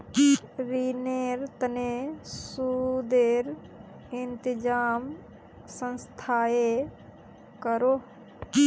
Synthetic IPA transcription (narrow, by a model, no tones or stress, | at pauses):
ɾineɾt̪ənesud̪eɾ | ɪnt̪ɪd͡ʒaːm | sə̃nst̪ʰaːe | kəɾo